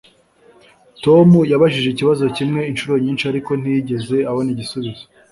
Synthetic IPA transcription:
to̞mujaβaʒiʒeciβazo̞cimŋe̞inʃuɾo̞ɲiːnʃiaɾiko̞n̥ijiɟe̞ze̞aho̞niɟisuβizo

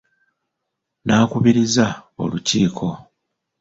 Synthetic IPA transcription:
naːkuβiɾizao̞̰luciːkʰo̞

